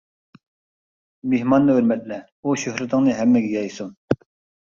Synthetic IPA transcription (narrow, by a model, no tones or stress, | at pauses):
mehmɑnːɨøɾmɛt̪̚lɛ | uʃøhɾɪt̪ʰɨŋnɨɦɛmːɪɡʲɛjɑjsuŋ